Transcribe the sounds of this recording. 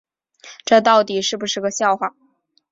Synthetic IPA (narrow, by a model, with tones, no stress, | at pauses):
ʈ͡ʂɤ˥˧t̪ɑ˥˩ʊt̪i˨˩ʂɻ̩˥˩bu˩ʂɻ̩˥˩ɡə˩ɕjɑ˥˧ʊxwa˥˩